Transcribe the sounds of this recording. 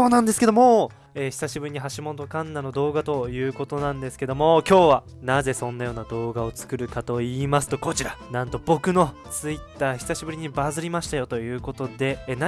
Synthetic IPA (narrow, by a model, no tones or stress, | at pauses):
o̞ːnãnd̪e̞sɨ̥ke̞d̪o̞mo | eːçi̥saɕibɯɾʲiɲ̟iɦaɕimot̪okãnːano̞d̪o̞ːɡat̪o̞jɯ̟ːko̞t̪o̞nãnd̪esɨ̥ke̞d̪o̞mo̞kʲo̞ːβa | naze̞sõ̞nːajo̞ːnad̪o̞ːɡao̞t͡sɨ̥kɯ̟ɾɯ̟kat̪o̞iːmasɨ̥t̪o̞ko̞t͡ɕiɾanãnt̪o̞bo̞kɯ̟no̞ | t͡sɨit̪ːaːçi̥saɕibɯ̟ɾʲiɲ̟ibazɨɾʲimaɕi̥t̪ajo̞t̪o̞jɯ̟ːko̞t̪o̞d̪e̞na